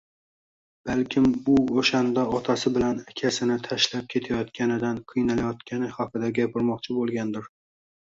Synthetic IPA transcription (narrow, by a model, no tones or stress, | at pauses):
b̥alkʲʰɪmbʊoʃand̪aɒt̪ʰasɪbɪlanakʲʰasɪnɪt̪ʰaʃlap̚kʲʰe̞t̪ʰajɒt̪kʲanɪd̪anqʰɨjnalajɒt̪kʲʰanɪhɒqʰɨd̪aɡʲapʰɪɾmɒq̚t͡ʃʰɪbolˠɡʲand̪ɪɾ